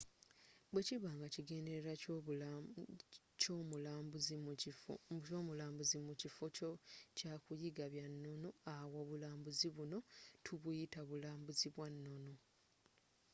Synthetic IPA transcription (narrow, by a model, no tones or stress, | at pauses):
bweciβaːŋɡaciɡe̞ːnde̞ɾeɾa | comuzi | omulaːmbuzimucifoocaːkujiɡaβjanːonoawoβulaːmbuziβuno̞tʰuβujitaβulaːmbuziβwanːo̞no̞